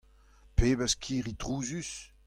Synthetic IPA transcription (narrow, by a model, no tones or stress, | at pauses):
peːbəskʰiːʁit̪ʁuːzys